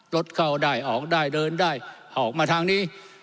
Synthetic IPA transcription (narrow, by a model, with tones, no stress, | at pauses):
lo˦˥t̪̚kʰa˥˩wdaː˥˩jʔɔː˨˩˦k̚daː˥˩jdɤː˧ndaː˥˩jha˨˩˦kmaː˧t̪ʰaː˧ŋniː˧˥˩